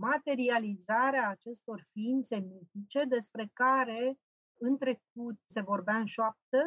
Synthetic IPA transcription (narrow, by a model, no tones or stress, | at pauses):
mat̪e̞ɾializaɾeaːt͡ʃe̞st̪o̞rfiint̪se̞mit̪lit͡ʃe̞d̪e̞spɾe̞kaɾe̞ | ɨnt̪ɾe̞k̚ut̪̚se̞vo̞rbeaɨnʃoap̚t̪ə